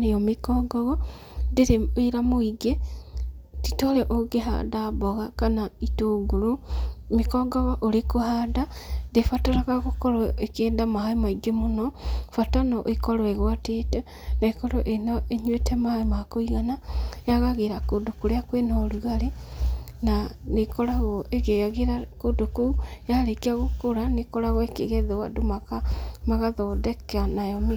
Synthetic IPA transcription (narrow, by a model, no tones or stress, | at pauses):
nijomikoɡoɣo | diɾieɾamoiɡe | titoleʔoɡeɦa̰daβoɣakanaituɡulumikoɡoɣoʔolikuhadadefataɾaɣakukoloekeːndamahaimaiɡemunofatanoʔekoloeɣwatete | naekɔɾɔʔenɔeɲwetʰɛmahaemaakoiɣanajaɣaɣeɾakodokoɾeakwenɔɾuɣaɾe | nanekɔɾaɣɔʔeɣejaɣeɾakodokojaɾekeaɣokoɾanekɔɾaɣɔekeɣeðewa̰domakamaɣaðɔdɛkanajɔmi